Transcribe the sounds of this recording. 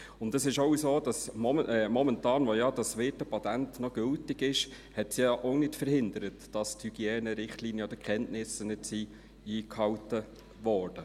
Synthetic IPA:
ʊndəsɪʃɔʊsoːd̥ɑsmɛmɔmɛntɑːnʋɔjɑd̥ɑsʋɪːtəpɑt̪æntnɔɡ̥ʏltɪɡɪʃ | hɛtsjɑʔɔʊnɪtfəɾhɪnd̪əɾətd̥ɑsthyɡ̥iɛːnəɾɪχtliːnjəd̥̪əkʰχɛntnɪsənɪdsi | iːkhɑwtə | ʋɔːɾd̥ə

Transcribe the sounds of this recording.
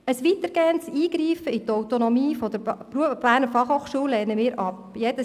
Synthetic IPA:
əsʋit̪əɾɡ̥eːəntsiːɡɾiːfəit̪ɔwt̪onɔmiːfɔd̥əɾpɾuəfb̥æːnəfɑχhoːχʃuəlɛːrnəmɪːɾʔɑp | jed̥ə

